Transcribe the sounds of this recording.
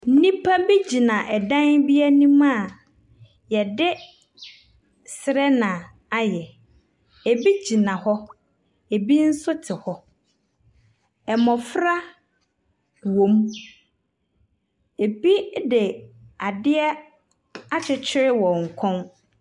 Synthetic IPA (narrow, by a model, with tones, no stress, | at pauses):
n̩˦nĩ˦pʰa˦bi˦d͡ʑi˨nã˨ʔɛ˨dã˦ŋbi˦ɛ˦nĩ˦mã˦˨ | jɛ˨dɪ˦ | sɪ˨ɾɛ˦nã˨ | a˦jɛ˨ | e˨bi˦d͡ʑi˨nã˨hɔ˦ | e˨bi˦n̩˦sʊ˦tʰɪ˨hɔ˦ | ɛ˨mɔ̃˨fɾa˦ | wõ˨m | e˨bi˦dɪ˨a˨dɪ˦ɛ˦ | a˦t͡ɕʰɪ˨t͡ɕʰɪ˦ɾɪ˦wɔ̃˨ŋ̩˨kʰɔ̃˦n